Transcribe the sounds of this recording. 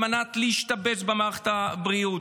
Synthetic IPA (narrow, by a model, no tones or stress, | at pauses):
manat̪leiʃt̪abet͡sbemaʁχe̥t̪abʁiut